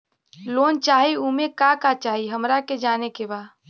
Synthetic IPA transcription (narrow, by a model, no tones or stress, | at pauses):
loːnt͡ʃaːɦiumẽkakat͡ʃaːɦiɦəmɾaked͡ʒaːnekebaː